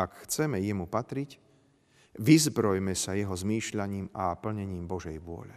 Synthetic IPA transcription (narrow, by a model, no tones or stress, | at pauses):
akxt͡sɛmɛjɛmupat̪ɾic | ʋizbɾɔjmɛsajɛɦɔzmiːʃʎaɲiːmapl̩ɲɛɲiːmbɔʒɛjʋʊɔ̰ʎɛ̰